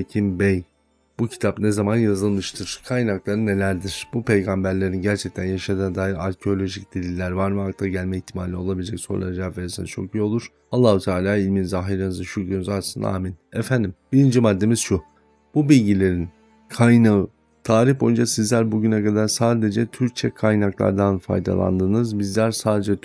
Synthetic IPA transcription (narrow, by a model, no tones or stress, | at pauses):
ecʰimbej | b̥ucʰi̥t̪ʰapnezamanjazɯlˠmɯʃt̪ʰɯɾ̥kʰajnaklˠaɾɯne̞lʲæɾd̪iɾ̥bupʰe̞jɡambæɾlʲe̞ɾinɟæɾt͡ʃʰɛc̚t̪ʰænjaʃad̪ɯnd̪aːɦiɾaɾcʰeo̞lʲo̞ʒic̚d̪̥ilʲilʲæɾvaɾmɛɦak̚t̪ʰaɟælʲmɛiçt̪ʰimaːlʲio̞lˠabilʲd͡ʒɛcso̞ɾlˠa̰ɾad͡ʒaːveɾsint͡ʃʰo̞kijo̞lˠuɾ̥ | alˠːaːhut̪ʰaːlʲaːilʲminizaɦijɾɯnɯzvɛʃucɾynzasɯnd̪a̰a̰ːminɛfænd̪imbiɾind͡ʒimad̪ːe̞miz̥ʃu | b̥ubilʲɟilʲe̞ɾin | kʰajnɯ | t̪ʰaːɾifo̞jund͡ʒasizlʲæɾbuɟynɛkad̪aɾsaːd̪e̞d͡ʒɛt̪ʰyɾc̚t͡ʃʰɛkʰajnaklˠa̰ɾd̪anfa̰jd̪a̰lˠa̰nd̪ɯːnɯzbizlʲæɾsaːd̪e̞d͡ʒɛ